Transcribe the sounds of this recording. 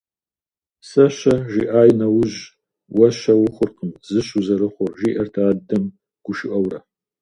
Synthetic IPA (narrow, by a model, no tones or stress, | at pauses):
sɐɕɐʒiʔaːjnɐwʊʑ | wɐʃɐwʊχʷʊrqəmzɨɕuzɐɾɨχʷʊrʒiːʔɐrtʰaːdɐm | ɡ̥ʷʊʃɪʔɐwrɐ